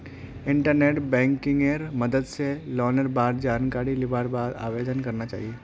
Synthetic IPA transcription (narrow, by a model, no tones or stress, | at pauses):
iɳʈəɾneʈbɛ̃ŋkiŋɡeɾməd̪əd̪selɔnəɾbaɾd͡ʑankaɽiliʋaɽbad̪a̰ʋed̪ənkəɾnat͡ʃa̰ɦie